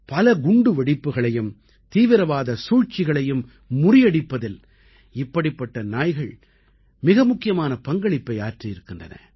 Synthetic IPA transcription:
pɐlɐɡʊɳɖɯʋɐɽɪpːɯɣɐɭɐjɯm | t̪iːʋɪɾɐʋaːðɐsuːɻt͡ʃːɪɣɐɭɐjɯmː | ʊrɪjɐɽɪpːɐðɪl | ɪpːɐɽɪpːɐʈːɐnaːjɣɐɭ | mɪɣɐmʊkːɪjɐmaːnɐpɐŋɡɐɭɪpːɐɪaːrʈrijɪɾɯkːɪndrɐnɐ̰

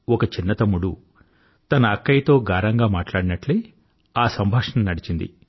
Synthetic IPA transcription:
ɔkɐt͡ʃinːɐt̪ɐmːuɽu | t̪ɐnɐːkːɐjt̪o̞ːɡaːɾɐŋɡaːmaːʈlaːɽinɐʈleː | aːsɐmbʱaːʂɐnɐmnɐɽit͡ʃind̪ḭ

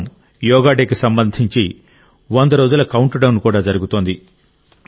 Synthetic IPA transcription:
m | jɔːɡaːɖeːkisɐmbɐnd̪ʱiɲt͡ʃi | ʋond̪ɐɾoːd͡ʒulɐkɐwuɳʈɖɐwnkuːɽaːd͡ʒɐɾuɡut̪oːnd̪i

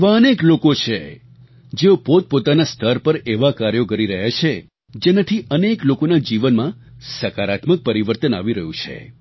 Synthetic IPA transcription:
ʋaəneklokot͡ʃʰe | d͡ʒeopot̪̚pot̪anast̪ʰəɾpəɾeʋakaɾjokəɾiɾəɦjat͡ʃʰe | d͡ʒenat̪ʰiəneklokonad͡ʒiʋənmã | səkaɾat̪mək̚pəɾiʋəɾt̪əna̰ʋiɾəɦũt͡ʃʰḛ

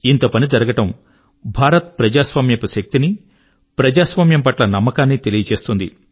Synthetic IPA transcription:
int̪opɐnid͡ʒɐɾɐɡɐʈɐm | bʱaːɾɐt̪̚pɾɐd͡ʒaːsʋaːmjɐpuʃɐk̚t̪ini | pɾɐd͡ʒaːsʋaːmjɐmpɐʈlɐnɐmːɐkaːnːit̪e̞lijɐt͡ʃe̞ːst̪und̪ḭ

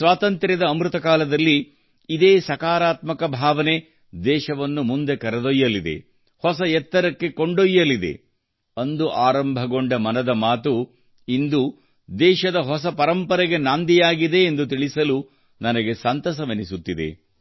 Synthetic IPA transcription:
sʋaːt̪ɐnt̪ɾɐd̪ɐːmɾut̪ɐkaːlɐd̪ɐlːiː | d̪eːsɐkaːɾaːt̪mɐkɐbʱaːʋɐne̞ | d̪ɛːʃɐʋɐnːumund̪e̞kɐɾɐd̪ojːɐlid̪ḛ | hɔsɐjɛt̪ːɐɾɐkːe̞ko̞ɳɖojːɐlid̪e̞̰ | ɐnd̪uʔaːɾɐmbʱɐɡo̞ɳɖɐmɐnɐd̪ɐmaːt̪u | ind̪u | d̪ɛːʃɐd̪ɐɦɔs̬ɐpɐɾɐmpɐɾɛɡe̞naːnd̪ijaːɡid̪e̞ːnd̪ut̪̬iɭisɐlu | nɐnɐɡe̞sɐnt̪ɐsɐʋɐnisut̪ːid̪e̞̰

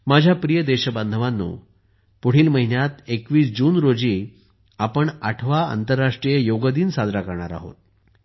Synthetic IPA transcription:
mad͡ʑʱjapɾijəd̪eɕəbənd̪ʱəʋanːṵː | puɽ̤iːlməɦinjat̪ekʋiːsd͡ʑuːnɾod͡ʑiː | apəɳaʈʰʋaa̰nt̪əɾːaʂʈɾijejoɡəd̪iːnsad̪ɾakəɾɳaɾa̰ɦo̰t̪̚

